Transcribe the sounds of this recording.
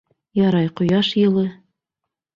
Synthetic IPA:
jɑɾɑjqŏjɑʃjɤ̆lˠɤ

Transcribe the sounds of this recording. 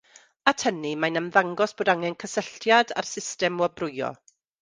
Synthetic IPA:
atʰənimajnəmðaŋɡɔsb̥oːdaŋɛnkʰəsəɬtjada̰rsɪstɛmwɔbrʊjɔ̰

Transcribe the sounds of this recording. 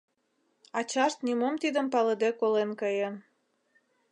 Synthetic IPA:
ɑt͡ɕɑʃt̪̚nimomt̪id̪ə̆mpɑlɤd̪ekolenkəjə̆n

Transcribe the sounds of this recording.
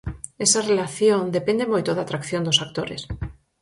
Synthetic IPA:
ɛsarelaθjond̪epend̪emojt̪oðat̪ɾakθjond̪ʊsak̚t̪oɾḛs

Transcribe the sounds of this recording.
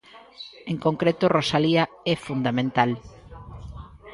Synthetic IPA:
eŋkõŋkɾet̪ʊrosalia | ɛfund̪amẽnt̪al

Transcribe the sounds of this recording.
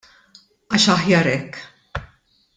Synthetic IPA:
ɐːʃɐħjɐɾɛkː

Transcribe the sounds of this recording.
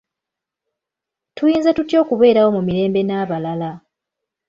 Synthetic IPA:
tujiːnzetutjo̞ːkuβe̞ːɾawo̞mumiɾe̞ːmbe̞naβalala

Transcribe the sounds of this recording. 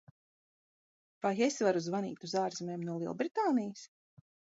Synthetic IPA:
vajesʲvaɾuzvanḭːt̪uzaːɾzimʲeːmnuɔlˠiɛ̰lˠbɾit̪aːnijs

